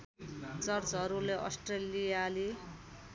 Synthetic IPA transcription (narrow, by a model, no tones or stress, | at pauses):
t͡sʌrt͡sɦʌɾuleʔʌ̰sʈreliali